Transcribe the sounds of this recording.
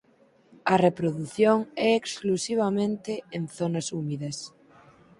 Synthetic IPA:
ɐrepɾoðuθjoŋɛeksklusiβ̞amẽnt̪eenθonɐsumiðɐs

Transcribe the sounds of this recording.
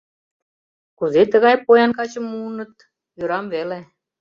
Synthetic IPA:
kuzet̪ə̆ɣɑjpojɑnkɑt͡ɕə̆mːuːnɤ̆t̪ | jøɾɑmβele

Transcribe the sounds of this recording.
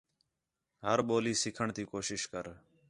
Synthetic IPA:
ɦəɾɓoːliːsɪkʰəɳt̪iːkoːʃɪʃkəɾ

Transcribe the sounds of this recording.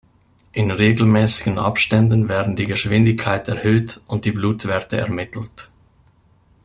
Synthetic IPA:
ʔɪnʁeːɡl̩mɛːsɪɡənʔa̰pʃtɛndn̩vɛːɐdn̩diːɡəʃv̥ɪndɪçkʰːaɪtɛɐʁhøːtʔʊnt̚d̥iːbluːtv̥ɛɐtəɛ̰ɐmɪtʰl̩t

